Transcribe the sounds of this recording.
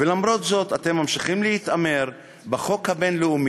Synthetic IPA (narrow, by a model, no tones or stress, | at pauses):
velamɾo̞t̪zo̞t̪at̪e̞mːamʃiχimlehit̪ame̞ʁ | baχo̞khabe̞nleumi